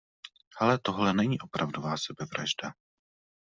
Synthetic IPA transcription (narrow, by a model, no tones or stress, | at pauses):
hɛlɛt̪o̞ɦlɛnɛɲiːʔo̞pɾavdovaːsɛbɛvɾa̰ʒda